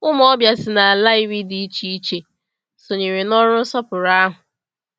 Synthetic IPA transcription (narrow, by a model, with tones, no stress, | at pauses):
ʊ˦m˦ɔ˦bja˨sɪ˨na˨a˨la˦i˦wi˦di˨i˦t͡ʃi˦i˦t͡ʃe˨ | so˨ɲe˨ɾe˨nɔ˦ɾʊ˦sɔ˦pʊ˨ɾa˦ɦʊ˨